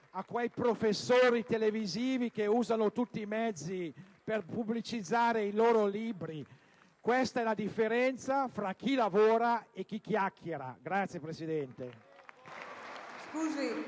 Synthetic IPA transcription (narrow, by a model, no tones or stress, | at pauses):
akːwɛjpɾofesːoːɾit̪eleviziːvikeuːzanot̪ut̪ːiːmɛd̪zːi | perpublit͡ʃid̪zːaːɾeiloːɾoliːbɾi | kwest̪aɛlad̪ifːeɾɛnt̪safɾak̟ːilavoːɾaek̟ːikːjakʰːeɾa̰ɡɾat̪sːjepɾesid̪ɛnt̪e | skuːzi